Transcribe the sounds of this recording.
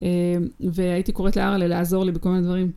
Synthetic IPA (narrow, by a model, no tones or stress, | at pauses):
eveait̪iko̞ʁet̪leaʁaleleazo̞ʁlibeko̞lmined̪vaʁim